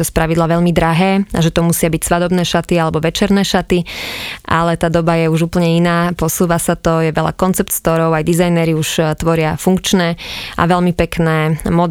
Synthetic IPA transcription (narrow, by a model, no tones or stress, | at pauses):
ɔspɾaʋid̪laʋɛʎmid̪ɾaɦɛːa̰ʒɛt̪ɔmusɪabicsʋad̪ɔbnɛːʃat̪ialɛbɔʋɛt͡ʃɛɾnɛːʃat̪iʔalɛt̪aːd̪ɔbajɛuʒuːpl̩ɲɛinaːpɔsuːʋasat̪ɔjɛʋɛʎa̰kɔnt͡sɛpt̪skt̪ɔɾɔʊajd̪izajnɛɾiuʃt̪ʋɔɾɪafuŋkt͡ʃnɛːʔa̰ʋɛʎmipɛknɛːmɔd̪